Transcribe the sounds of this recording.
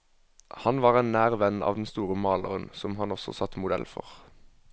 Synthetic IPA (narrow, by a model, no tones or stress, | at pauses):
hɑnʋɑːʁɛːnnæːʁʋɛnɑ̰ːʋd̪ɛnst̪uːʁəmɑːləʁənsɔmɦɑnɔsɔ̰sɑt̪mʊd̪ɛ̰lfɔ̰ʁ